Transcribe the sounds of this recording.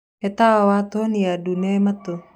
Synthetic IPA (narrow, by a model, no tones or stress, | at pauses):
et̪aawat̪onijadunemat̪o